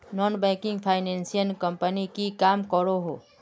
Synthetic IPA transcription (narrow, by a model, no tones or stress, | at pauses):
nɔːnbɛ̃ːkɪ̃ŋɡpʰaːɪnẽːnsijənkɐ̃mpənikikaːmkəɾoɦoː